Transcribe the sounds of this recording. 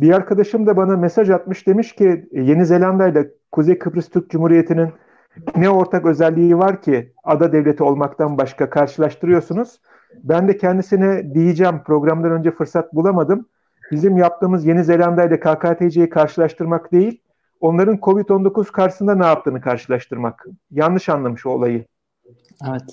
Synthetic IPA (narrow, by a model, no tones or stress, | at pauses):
biaɾkʰad̪aʃɯmd̪abanamesaʒat̪̚mɯʃd̪e̞miʃcije̞nize̞lʲand̪ajla | kʰuzejkʰɯpɾist̪ʰyɾc̚d͡ʒumhuːɾije̞t̪ʰinin | nɛo̞ɾt̪ʰakø̞zælʲːijːvaɾcʰi | ad̪ad̪evlʲe̞t̪ʰio̞lˠmakt̪ʰanbaʃkakʰaɾʃɯlˠaʃt̪ɯɾɯjo̞ɾsunuz̥ | bænd̪ɛcʰɛnd̪isinɛd̪ijid͡ʒɛːmpɾo̞ɡɾamd̪anø̞nd͡ʒɛfɯɾsat̪̚bulˠamad̪ɯm | bizimjap̚t̪ʰɯːmɯzje̞nize̞lʲand̪ajlakʰaːkaːt̪ʰe̞jd͡ʒejikʰaɾʃɯlˠaʃt̪ɯɾmakd̪e̞jilʲ | o̞nlˠaɾɯnkʰo̞vit̪o̞nd̪o̞kuz̥kʰaɾʃɯsɯnd̪anɛjap̚t̪ɯːnɯkʰaɾʃɯlˠaʃt̪ʰɯɾmakjanːˠɯʃanlˠamɯʃo̰lˠajɯ | evɛt̪